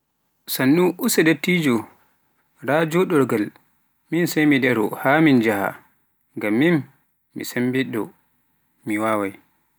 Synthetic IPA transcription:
sanːuʔusɛdetːiːd͡ʒɔ | ɾad͡ʒɔɗɔɾɡal | minsajmidɛɾɔ̰hamind͡ʒaha̰ | ŋɡamːinː | ḭsembiɗɔ̰ | miwaːwaj

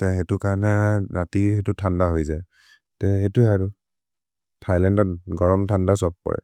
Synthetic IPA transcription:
tɛxetʊkaɹnɛnatixetutʰandaɦojzaj | tɛxetuaɹu | tʰajlɛndɔt̚ɡɔɹɔmtʰandasɔp̚kɔ̰ɹɛ̰

